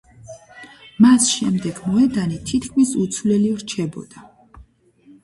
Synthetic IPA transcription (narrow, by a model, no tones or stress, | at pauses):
masʃɛmd̪ɛɡ̥mɔɛd̪anit̪ʰit̪kʰmisut̪sʰvlɛlivɾt͡ʃʰɛbɔ̰d̪̥a